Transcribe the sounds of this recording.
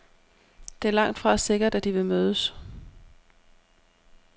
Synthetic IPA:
d̥e̝æɐlɑ̈ŋ̰d̥fʁɑ̈se̝ɡ̥ɐd̥æd̥iʋe̝møːðˠəs

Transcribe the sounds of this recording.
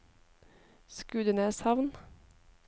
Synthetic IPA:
skʉːd̪əneːshɑʋn

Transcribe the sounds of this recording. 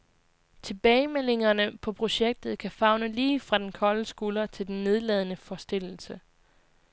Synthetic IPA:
t͡sʰe̝b̥ɛːɪmel̰e̝ŋɐnəpʰɒ̽pʰʁo̝ɕeɡ̥̚d̥ð̩ˠkʰæfɑ̈ʊnəliːfʁɑ̈d̥enkʰɒ̽ləsɡ̥uːlɐt͡sʰe̝ld̥enːe̝ð̞ˠlɛð̞ˠənəfɒsd̥e̝l̰l̩sə

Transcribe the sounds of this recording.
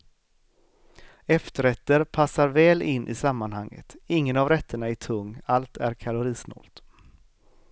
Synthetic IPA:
ɛft̪əɾɛt̪ːəɾpʰasːaɾvɛːlʔɪnːʔɪ̰samːanhaŋːə̰t̪ɪŋːənavɾɛt̪ʰːəɳaæʈʰɵŋːalt̪æɾkʰalʊɾiːsnɔ̰ːlt̪

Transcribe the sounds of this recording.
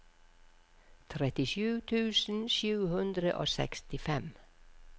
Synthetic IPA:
t̪ʰɾɛt̪ɪʃʉːt̪ʰʉːsn̩ʃʉːhʉnd̪ɾə̰ʔo̰ːsɛ̰kst̪ɪfɛm

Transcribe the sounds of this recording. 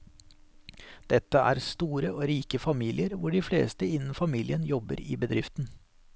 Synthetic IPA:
d̪̥ɛt̪ːəæ̰ːɾst̪uːɾəoːɾiːkəfɑmiːlʔɪəɾʋʊɖɪːflḛːst̪əɪnːn̩fɑmiːlɪənjɔbə̰ɾḭːbəd̪ɾɪft̪n̩

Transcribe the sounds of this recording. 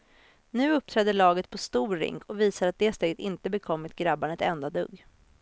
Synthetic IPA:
nʉ̟ːɵp̚ːt̪ʰɾɛd̪ːəɭɑːɡət̪̚pʰɔst̪uːɾɪ̰ŋkʰɔviːsaɾat̪̚d̪eːst̪ɛɡt̪ɪnt̪əbɛkʰɔmːɪt̪ɡɾabːaɳɛt̪ɛnd̪ad̪ɵ̰ɡː

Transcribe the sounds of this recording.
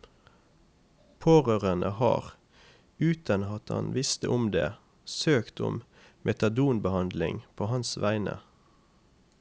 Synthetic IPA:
pʰoːʁøːʁənʔəhɑ̰ːʁ | ʉːt̪ənɑt̪hɑ̰nʋɪst̪əʔʊmd̪ḛː | søːkt̪ʊ̰m | mʔɛt̪ɑd̪uːnbəhɑnd̪lɪŋpʰoːhɑnsʋæɪnə̰

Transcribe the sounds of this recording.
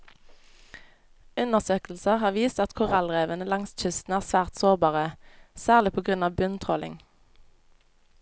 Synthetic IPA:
ʉnəʁsøːkl̩səʁhɑːʁʋiːst̪ɑt̪kʰʊʁɑlʁeːʋənəlɑŋsc͡çʏst̪n̩æːʁsʋæːʁt̪soːʁbɑːʁəsæːʁlɪpʰoːɡʁʉnɑːʋbʉnt̪ʰʁɔːlɪ̰ŋ

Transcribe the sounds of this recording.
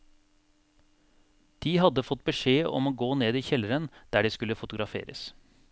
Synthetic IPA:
d̪̥iːhɑd̪əfɔt̪̚ːbəʂeːɔ̰moːɡoːneːd̪iːçɛləɾənd̪̥æːɖiːskʉlːəfʊt̪ʊɡɾɑfḛːɾə̰s

